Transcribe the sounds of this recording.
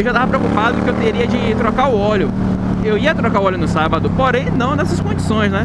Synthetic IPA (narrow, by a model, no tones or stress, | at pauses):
ewʒat̪avɐpɾeokupad̪ʊd̪ʊkɪewt̪eɾiɐd͡ʒɪt̪ɾokaɾʊɔʎʊ | ewiɐt̪ɾokaɾʊɔʎjʊnʊsabɐd̪ʊpoɾẽj̃nɐ̃w̃nɛsɐskõd͡ʒisõj̃snɛ